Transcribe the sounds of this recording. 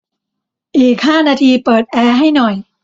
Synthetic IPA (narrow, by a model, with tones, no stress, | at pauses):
ʔiː˨˩k̚haː˥˩naː˧t̪ʰiː˧pɤː˨˩t̪̚ʔɛː˧ɦa˥˩jnɔ˨˩j